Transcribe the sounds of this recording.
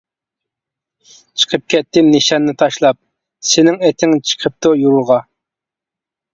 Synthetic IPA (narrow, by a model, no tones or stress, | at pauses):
t͡ʃʰə̥qʰəp̚kʲʰɛt̪ːɪmnɪʃɑnːɨt̪ʰɑʃlˠɑp̚ | sɪnɪŋɛt̪ʰɪŋt͡ʃʰə̥qʰəp̚t̪ʊjuɾuʁɑ